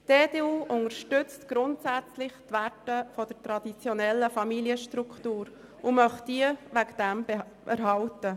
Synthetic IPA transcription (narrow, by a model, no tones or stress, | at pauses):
d̥eːdeːuːʔʊŋəʃtʏt͡st̪ɡ̥ɾʊntsæt͡slɪχt̪ʋærtəfɔd̥ətɾɑd̪it͡sjɔnɛlːəfɑmiliəʃtɾukʰtuːɾ | ʊmœχtd̥iəʋækd̥̪æmbe | ɛ̰ɾɦɑltə